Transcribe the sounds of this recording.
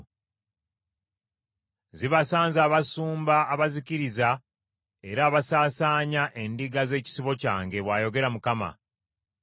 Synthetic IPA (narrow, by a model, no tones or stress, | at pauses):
ziβasaːnzaːβasuːmbaːβaziciɾiza | e̞ɾaːβasaːsaːɲaʔe̞ndiɡaze̞ːci̥siβo̞ca̰ːŋɡe̞βwaːjo̞ɡe̞ɾamukama̰